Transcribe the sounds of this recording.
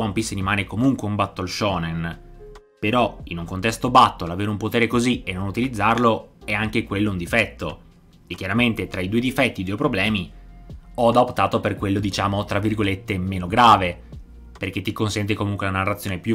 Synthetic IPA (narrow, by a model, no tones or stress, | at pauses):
aumpisenimaːnekomuŋkweumbat̪ːoalʃɔːnen | peɾɔḭnuŋkont̪ɛst̪obat̪ːolaveːɾumpot̪eːɾekozienːonut̪ilid̪zːarloɛaŋk̟ekwelːound̪ifɛt̪ːo̰ | ekːjaɾament̪et̪ɾaid̪uːed̪ifɛt̪ːid̪uːepɾoblɛːmi | ɔd̪aopt̪aːt̪operkwelːod̪it͡ʃaːmot̪ɾavːirɡolet̪ːemeːnoɡɾaːve | perk̟et̪ːikonsɛnt̪̬ekomuŋkwelanarːat̪sːjoːnepju